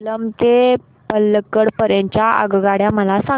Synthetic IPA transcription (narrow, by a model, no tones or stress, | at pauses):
ləmt̪e | pəlːəkːəɽpəɾjẽɲt͡ɕjaə̰ɡɡaɽjaməlasa